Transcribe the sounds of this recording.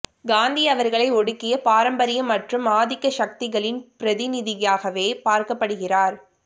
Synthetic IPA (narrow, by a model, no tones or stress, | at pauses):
ɡaːnd̪iɐʋɐɾɣɐɭɐɪɔɽɯkːɪjɐpaːɾɐmbɐɾɪjɐmːɐʈrɯmaːðɪkːɐʃɐk̚t̪ɪɣɐɭɪnpɪɾɐðɪnɪðɪjaːɣɐʋeːpaːɾkɐpːɐɽɯɣɪraːɾ